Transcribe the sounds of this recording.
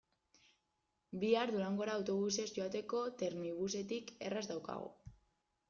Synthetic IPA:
biaɾðuɾaŋɡo̞ɾaːwt̪o̞β̞use̞zʝo̞at̪e̞ko̞t̪e̞ɾniβuse̞t̪ike̞razd̪awka̰ɣ̞o̰

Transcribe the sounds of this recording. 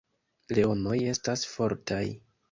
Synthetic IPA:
le̞o̞no̞je̞stasfo̞ɾtʰaj

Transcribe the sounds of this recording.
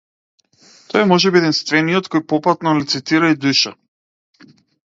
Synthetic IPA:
t̪ɔjɛmɔʒɛbiɛd̪ɛnst̪vɛnijɔt̪kɔjpɔpat̪nɔlit̪sit̪iɾaid̪uʃa̰

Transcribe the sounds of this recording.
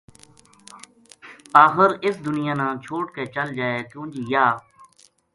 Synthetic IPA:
aːxɪɾɪsd̪ʊnɪjãːnãːt͡ʃʰoːʈkeːt͡ʃəld͡ʒaːeːt̪ũːd͡ʒiːjaː

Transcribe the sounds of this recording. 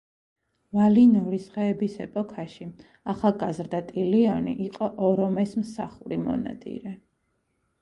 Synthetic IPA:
valinɔɾisχɛːbisɛ̰pʼɔkʰaʃi | aχaɡazɾd̪at̪ʼiliɔnḭʔiqʼɔʔɔɾɔmɛsmsaχuɾimɔ̰na̰t̪ʼḭɾɛ

